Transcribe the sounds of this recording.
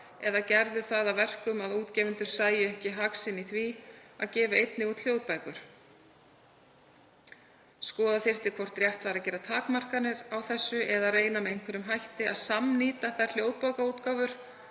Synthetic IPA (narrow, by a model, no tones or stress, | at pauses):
ɛðacɛɾðʏθaðavɛr̥kʏmaðuːt̪cɛːvɪnt̪ʏɾ̥saːjɪɛhcɪɦaksɪniθvia̰ðcɛːvaejt̪nɪut̪ʰl̥joːwt̪pajkʏɾ̥ | skɔːðaθɪr̥t̪ɪkʰvɔr̥t̪ɾjɛht̪vaɾacɛːɾat̪ʰaːkmar̥kanɪɾawθɛsːʏʔɛðareːjnamɛðejŋkʰvɛɾʏmɦajht̪ɪaðsamniːt̪aθar̥l̥joːwð̚pajkauːt̪kaːwvʏɾ̥